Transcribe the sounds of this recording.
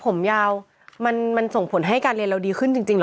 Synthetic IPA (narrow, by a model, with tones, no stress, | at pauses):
pʰo˩˦mjaː˧w | ma˧nma˧nso˨˩˦ŋpʰo˩˦nɦa˥˩jkaː˧nli˧ənɾa˧wdiː˧kʰɯ˥˩nt͡ɕi˧ŋt͡ɕi˧ŋl